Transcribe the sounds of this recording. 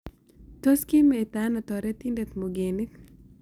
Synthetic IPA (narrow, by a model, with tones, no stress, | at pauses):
to˦ski˦met̪ana˨t̪ɔɾɛ˦t̪indet̪moɡe˨ni˦t